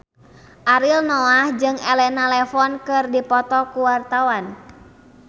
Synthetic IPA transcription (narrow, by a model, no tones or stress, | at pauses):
ʔaɾilnɔahd͡ʒɨŋɛlɛnalɛfɔnkɨrdipɔt̪ɔkuwart̪awan